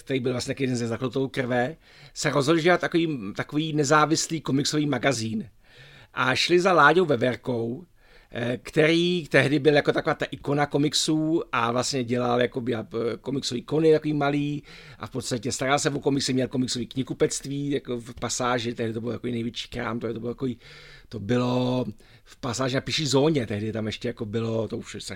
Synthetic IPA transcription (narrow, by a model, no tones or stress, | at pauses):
k̚t̪ɛɾiːbɪlvlasɲɛt̪akːjɛdɛnzɛzaklut̪owkr̩vɛ | sɛɾozɦodlʒɛat̪t̪ːakoviːt̪akoviːnɛzaːvɪsliːko̞mɪkso̞viːmaɡaziːn | ʔaʃlɪzalaːɟowvɛvɛɾko̞w | kt̪ɛɾiːt̪ɛɦdɪbɪljako̞t̪ako̞vaːt̪aʔɪko̞nako̞mɪksuːʔavlasɲɛɟɛlaljakobɪako̞mɪksoviːko̞nɪt̪akoviːmaliːʔa̰fpot̪st̪acɛst̪aɾalsɛvoko̞mɪksɪmɲɛlkomɪksoviːkɲɪkupɛt͡st̪viːjakofpasaːʒɪt̪ɛɦɾdɪt̪obɪlot̪akoiːnɛjvjɛt͡ʃi̥ːkɾa̰ːmt̪oɛt̪obɪlt̪akoviːt̪o̞bɪlo̞ | fpasaːʒɪnapɪʃiːzo̞ːɲɛt̪ɛɦdɪt̪amɛʃcɛjako̞bɪlo̞t̪ouʃsa